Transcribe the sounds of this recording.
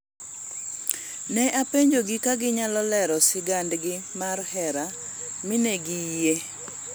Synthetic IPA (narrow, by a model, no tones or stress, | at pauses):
nɛʔapeɲd͡ʒoɡɪkaɡɪɲalɔlɛɾɔsɪɡandɡɪmarhɛɾa | mɪneɡije